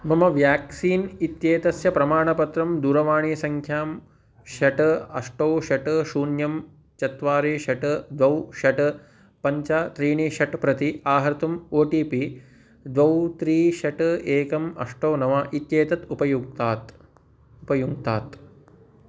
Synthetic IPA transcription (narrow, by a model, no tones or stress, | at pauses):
mɐmɐʋjaːksiːnit̪jeːt̪ɐsjɐpɾɐmaːɳɐpɐt̪ɾɐmd̪uːɾɐʋaːɳisɐŋkʰjaːm | ʃɐʈɨɐ̰ʂʈoːʃɐʈɨʃuːnjɐm | t͡ʃɐt̪ʋaːɾeːʃɐʈɨd̪ʋɐwʃɐʈɨ | pɐɲt͡ʃaːt̪ɾiːɳiʃɐʈpɾɐt̪iaːɦɐɾt̪umoːʈiːpi | d̪ʋɐwt̪ɾiːʃɐʈɨeːkɐmɐ̰ʂʈoːnɐʋaʔit̪jeːt̪ɐt̪upɐjuɡ̚t̪aːt̪ | upɐjuɡt̪aːt̪